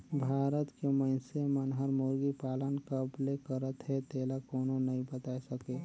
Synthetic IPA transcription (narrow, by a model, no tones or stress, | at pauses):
bʱaːɾət̪keməɪnsemənɦəɾmoːɾɡipaːlənkəplekəɾət̪ɦɛt̪eːlakoːnonɐɦĩbət̪aːesəke